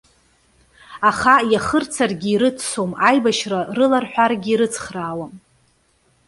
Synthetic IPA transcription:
aχajaχərt͡sʰarɡʲiiɾɨt͡sʰsomajbaʃrarɨlarħʷᶣarɡʲiɾɨt͡sʰχraːwam

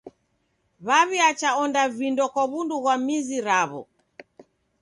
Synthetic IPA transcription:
βaβiat͡ʃaɔndavindɔkwaβunduɣwamiziɾaβɔ̰

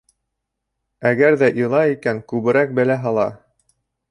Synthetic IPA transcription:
æɡæɾðæʔɤ̆lˠɑikæŋkʉβɘ̆ɾæk̚bæ̆læɦɑlˠɑ

